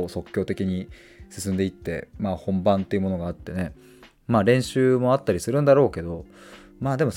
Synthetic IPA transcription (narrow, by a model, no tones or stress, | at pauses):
so̞kʲːo̞ːt̪e̞kʲiɲ̟i | sɨsɨ̃nd̪e̞it̪ːe̞̰maːhõ̞mbãnt̪ːeiɯ̟mo̞no̞ɡaːt̪ːe̞ne̞ | maːɾẽ̞ɰ̃ɕɨːmo̞at̪ːaɾʲisɨɾɯ̟̃nd̪aɾo̞ːke̞d̪o̞ | maːd̪e̞mo̞